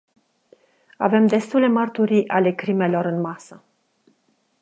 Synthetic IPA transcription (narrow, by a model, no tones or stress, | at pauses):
a̰ve̞md̪e̞st̪ule̞mərt̪uɾiʔale̞kɾime̞lo̞ɾɨnmasə